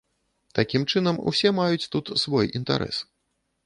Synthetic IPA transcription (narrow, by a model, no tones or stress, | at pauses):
t̪akʲimt͡ʂɨnɐmṵsʲɛmajut͡sʲt̪ut̪svɔjint̪a̰ɾʔɛ̰s